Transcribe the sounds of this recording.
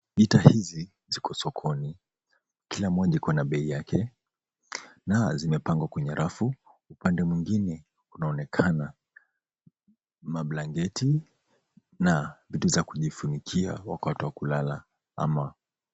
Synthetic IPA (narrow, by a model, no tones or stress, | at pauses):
ɓitahizi | zikʰɔsɔkʰɔni | kilamɔʄikɔnaɓɛijakɛ | nazimɛpaŋɡwakwɛɲɛɾʔafu | upandɛmwiŋɡinɛ | unaɔnɛkʰana | maɓlaŋɡɛti | navituzakuʄifunikʰia̰wakatɛwakulala | a̰ma